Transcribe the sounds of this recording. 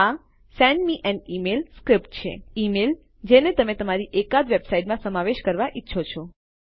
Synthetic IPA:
a | sɛ̃ɳɖmiʔɛ̃ɳɖimelskɾɪpʈ̚t͡ʃʰḛimel | d͡ʒenet̪əmet̪əmaɾiʔekad̪ʋebsaiʈmãsəmaʋeʃkəɾʋaʔitːʃʰot͡ʃʰɔ

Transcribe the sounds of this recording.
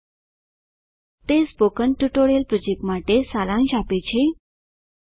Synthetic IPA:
t̪espokənʈuʈoɽjelpɾod͡ʑek̚ʈmaʈesalãŋɕapet͡ɕʰe

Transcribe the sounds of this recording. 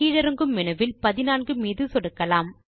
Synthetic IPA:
iːɻɐɾɯŋɡɯmːɪnɐʋɪlpɐðɪnaːnɡɯmiːðɯsɔɽɯkːɐlaːm

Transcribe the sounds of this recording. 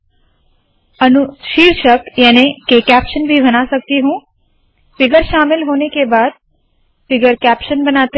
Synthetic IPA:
ənʊʃiːɾʃəkjɛːnekekæpʃənbʱibɐnasək̚t̪iɦũː | fɪɡəɾʃaːmɪlɦoːnekebaːd̪̚ | fɪɡəɾkɛːpʃənbənaːt̪e

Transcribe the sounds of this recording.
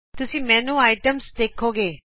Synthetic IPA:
t̪ʊsĩmɛ̃ːnuaːɪʈəmsd̪eːkʰːoːɡeː

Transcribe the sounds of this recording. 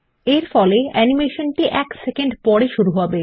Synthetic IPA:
eɾfɔleɛnimeʃonʈiʔɛksekeɳɖpɔɾeʃuɾuɦɔbe

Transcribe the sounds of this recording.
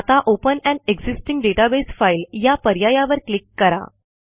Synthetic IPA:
at̪aʔopənɛ̃ɳɖeɡzisʈiŋɡɖeʈabesfailjapəɾjajaʋəɾklikːəɾa̰

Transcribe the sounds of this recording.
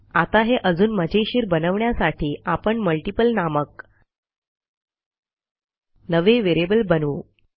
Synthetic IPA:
at̪aɦeʔəd͡zuːnməd͡ʑʱeɕiːɾbənəʋɳjasaʈiːʔapəɳməlʈipəlnamək | nəʋeʋeɾebəlbənuː

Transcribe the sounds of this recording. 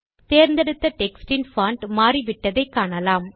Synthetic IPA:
t̪eːɾnd̪ɐɽɯt̪ːɐʈɛksʈɪnfaːɳʈmaːriʋɪʈːɐðɐɪkːaːɳɐlaːm

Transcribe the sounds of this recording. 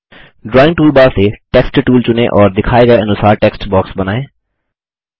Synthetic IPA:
ɖɾɔːɪ̃ŋʈuːlbaːɾseʈɛːksʈʈuːlt͡ʃʊneʔɔːɾd̪ɪkʰaːeɡəeɐnʊsaːɾʈɛːksʈbɔːksbɐnaːẽː

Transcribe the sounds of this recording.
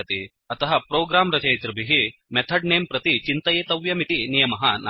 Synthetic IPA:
t̪i | ɐt̪ɐɦɐpɾoːɡɾaːmɾɐt͡ʃɐjt̪ɾɐbʱiɦimet̪ʰɐɖ̚neːmpɾɐt̪it͡ʃint̪ɐjeːt̪ɐʋjɐmit̪inijɐmɐɦɐna

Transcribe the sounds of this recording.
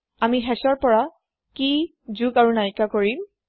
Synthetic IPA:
amiɦɛsɔɹpɔɹa | ki | zuɡaɹunajkakoɹim

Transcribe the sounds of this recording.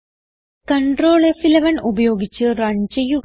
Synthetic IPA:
kɐɳɖroːɭefilɐʋɐnubɐjo̞ːɡit͡ɕːɨrɐɲd͡ʑɐju

